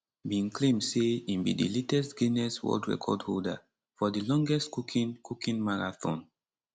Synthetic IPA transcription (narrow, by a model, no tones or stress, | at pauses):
bĩnklẽmdseĩmbḭdḭletɛstɡinɛswɔ̰ldɹɛ̰kʰɔdholda̰ | fɔdilɔ̃ŋɡɛstkukʰĩnkʰukʰĩnmaɹaθõ̰n